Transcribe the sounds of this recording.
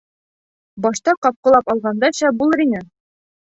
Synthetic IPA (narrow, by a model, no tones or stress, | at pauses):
bɒʃt̪ɑqɒp̚qɤ̆lˠɑpɒlˠʁɑnd̪ɑɕæbulˠɤɾinɘ